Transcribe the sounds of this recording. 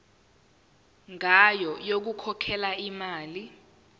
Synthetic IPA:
ŋajɔjok̬ukʰɔkʰɛlaimaːli

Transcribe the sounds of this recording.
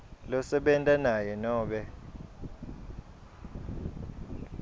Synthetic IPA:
lɔsɛɓɛntʼanajɛnɔːɓɛ

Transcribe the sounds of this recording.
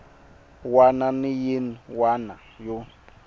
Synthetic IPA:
wananɪjinwanajo

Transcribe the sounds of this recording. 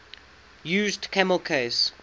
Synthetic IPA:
jʉːzdkʰæməlˠkʰes

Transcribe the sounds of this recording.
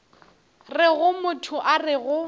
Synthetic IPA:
rɪɣʊmʊtʰʊʔarɪɣʊ

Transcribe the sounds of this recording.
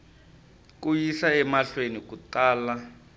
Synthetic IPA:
k̬ʼujisaɛmaɬwenik̬utaːla

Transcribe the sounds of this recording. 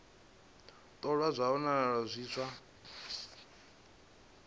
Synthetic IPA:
t̪ʼɔɺwazʷaɔnaɺazʷiːsʰʷa

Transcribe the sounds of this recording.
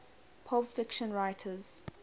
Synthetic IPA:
pʰɔbfɪkʃə̃nɹaɪtʰəz̥

